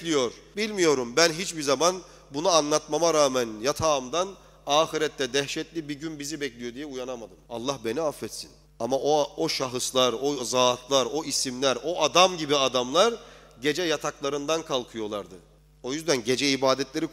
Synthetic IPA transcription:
lʲijo̞ɾbilʲmijo̞ɾumbænɦit͡ʃbizaman | bunaːnlˠat̪mamaɾaːmænjat̪ʰaːmd̪an | aːxiɾɛt̪ːɛd̪ɛhʃɛt̪lʲibiɟynbizibɛclʲijo̞d̪ijɛujanamad̪ɯma̰lˠːahbe̞niafːɛt̪sin | amaʔooʃaɦɯslˠaɾozaːt̪lˠaɾo̞isimlʲæɾo̞ʔad̪amɟibiad̪amlˠaɾɟe̞d͡ʒɛjat̪ʰaklˠaɾɯnd̪ankʰalˠkʰɯjo̞lˠaɾd̪ɯ | o̞jyzd̪ænɟe̞d͡ʒɛibaːd̪ɛt̪lʲeɾi

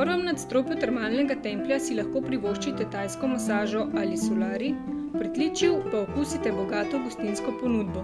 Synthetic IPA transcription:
pəɾʋɔmnat̪st̪ɾoːpɔt̪ɛɾmaːlnɛɡat̪ɛːmpljasilɐxkoːpɾiʋoːʃt͡ʃit̪ɛt̪aːjskɔmasaːʒɔʔalisulaːɾi | pɾit̪lit͡ʃiwpaɔkusit̪ɛbɔɡaːt̪ɔɡust̪inskɔpɔnuːd̪bɔ

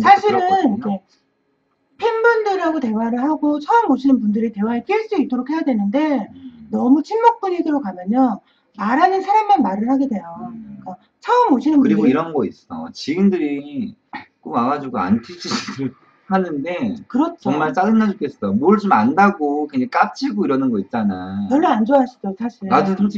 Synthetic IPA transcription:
sʰaɕʰiɾɯnikʰe̞ | pʰimbundɯɾaɡote̞waɾɯɭhaɡot͡ɕʰʌɯmoɕʰinɯnpundɯɾite̞waɦek͈iɭs͈uit͈̚oɾokhe̞jadwenɯnde̞nʌmut͡ɕʰinmok̚p͈uɲidɯɾokamjʌɲjʌn | maɾɦanɯnsʰaɾamːanmaɾɯɭhaɡe̞dwe̞joik͈a | t͡ɕʰʌɯmoɕʰinɯnbuɯɾiɡoiɾʌnɡʌis͈ʌ̰t͡ɕiɡindɯɾi | k͈omaɡad͡ʑiɡoa̰ntʰid͡ʑʰiiɯɭ | hanɯnde̞kɯɾʌt͡ɕʰʌŋmaɭt͡ɕ͈aɡɯnːad͡ʑok͈ʰes͈ʌjomoɯɭt͡ɕomandaɡokeŋd͡ʑaik͈ap̚t͡ɕ͈ʰiɡoiɾʌnɯnɡʌit̚t͡ɕ͈anajʌɭːʌand͡ʑoaɕʰi̥d͡ʑosʰaɕʰiɭad͡ʑo

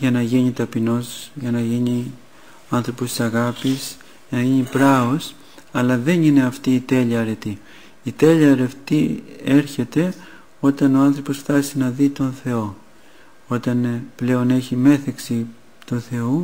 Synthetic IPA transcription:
ʝɐnɐʝiɲit̪ɐpino̞sʝɐnɐʝiɲi | ɐnθɾo̞post̪i̥sɐɣɐpis | ʝɐnɐʝiɲipɾɐos | ɐlɐðe̞nine̞ɐft̪iːt̪e̞ʎiɐɾe̞t̪i | it̪e̞ʎiɐɾe̞ft̪ie̞ɾçe̞t̪e̞ | o̞t̪ɐno̞ɐnθɾo̞po̞sfθɐsinɐðit̪o̞nθe̞o̞ | o̞t̪ɐnple̞o̞ne̞çime̞θeksi | t̪uθe̞u

